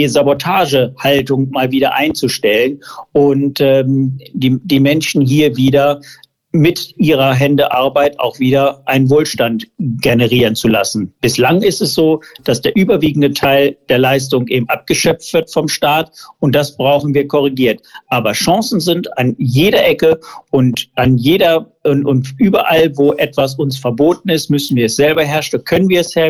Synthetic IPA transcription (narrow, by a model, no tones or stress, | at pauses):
zabɔtʰaːʒəhaltʊŋmaːlviːdɐʔa̰ɪnt͡suʃtɛlənʔʊntɛːmdiːd̥iːmɛnʃn̩ɦiːɐviːdɐ | mɪtʔiːʁɐɦɛndəʔaɐbaɪta̰ʊxv̥iːdɐʔaɪnənvoːlʃtantɡenəʁiːʁ̞ənt͡sulasn̩b̥ɪslaŋɪstɛsz̥oːd̥asd̥eːɐʔyːbɐviːɡŋ̩dətʰaɪld̥eːɐlaɪs̬tʊŋʔeːbm̩ʔa̰p̚ɡ̥əʃœp͡ftv̥ɪɐtfɔmʃtaːtʊnt̚d̥asb̥ʁaʊxn̩viːɐkʰɔʁ̞iɡiːɐtʔaːbɐʃɑ̃ŋsn̩zɪntanjeːɾɐʔɛkəʊntʔanjeːdɐnʊntʔyːbɐʔalvoːʔɛtv̥as̬ʊnsfɛɐboːt̚n̩ɪstmʏsn̩viːɐɛsz̥ɛlbɐɦɛɐʃnkʰœnənviːɐɛshɛ